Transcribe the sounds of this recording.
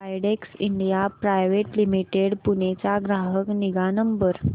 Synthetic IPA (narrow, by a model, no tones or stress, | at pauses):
ajɽeksiɳɖijapɾajʋeʈlimiʈeɽpunet͡saɡɾaɦəkniɡanəmbəɾ